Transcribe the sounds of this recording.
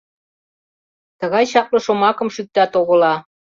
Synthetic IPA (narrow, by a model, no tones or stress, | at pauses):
t̪ə̆ɣɑjɕɑk̚lɤ̆ʃomɑkɤ̆mʃyk̚t̪ɑt̪oɣɤ̆lɑ